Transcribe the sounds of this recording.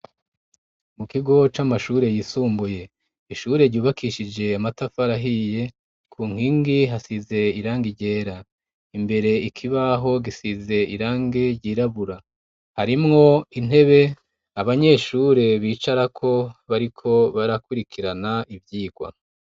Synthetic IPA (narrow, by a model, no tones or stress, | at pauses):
mukiɡo̞t͡ʃamaʃuːɾe̞jisuːmbuje̞ | iʃuːɾe̞ɾɟuːβakiʃid͡ʒe̞amatafaɾaɦije̞ | kʰuːŋ̥hiːŋɡiɦasize̞iɾaːŋɡiɟe̞ːɾa | imbe̞ɾe̞ikʰiβaɦo̞ɡisize̞iɾaːŋɡeɾɟiːɾaβuɾa | haɾimŋo̞in̥e̞βe̞ | aβaɲe̞ːʃuɾe̞βiːt͡ʃaɾakʰo̞βaɾikʰo̞βaɾakuɾikʰiɾanaʔivjiːɡwa̰